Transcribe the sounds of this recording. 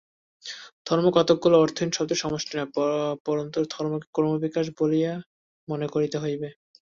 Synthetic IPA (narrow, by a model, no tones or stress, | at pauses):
d̪ʱɔɾmokɔt̪oɡ̚ːoloɔɾt̪ʰinʃɔt̪eʃɔmoʃʈʰinapɔɾont̪oɾd̪ʱɔɾmokekɔɾmobikaʃ̬bolija | mɔnekoɾit̪eɦojbe